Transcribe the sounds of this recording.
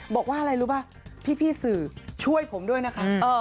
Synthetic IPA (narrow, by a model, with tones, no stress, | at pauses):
bɔː˨˩k̚waː˥˩ʔa˧ɾa˧jɾuː˦˥baː˥˩ | pʰiː˥˩pʰiː˥˩sɯː˨˩t͡ɕʰu˥˩əjpʰo˩˦mdu˥˩əjna˦˥kʰaː˦˥˧